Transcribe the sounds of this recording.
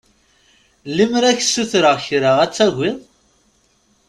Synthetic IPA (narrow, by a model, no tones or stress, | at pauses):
limɾæçsuθɾəʁçɾəʁæt͡sːæʝɪðˤ